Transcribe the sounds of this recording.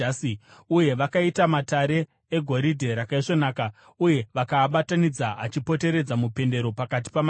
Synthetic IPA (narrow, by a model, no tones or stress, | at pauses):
siuje̞ʋakaitamataɾe̞ː | ɡʱo̞ɾidʱe̞ɾakaiʐo̞naːka | uje̞ʋakaːɓatanid͡zaa̰t͡ʃipo̞te̞ɾe̞d͡zamupe̞nde̞ɾo̞pakat̬i̥pama